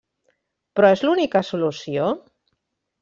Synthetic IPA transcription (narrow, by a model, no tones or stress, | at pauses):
pɾɔezlunikasulusio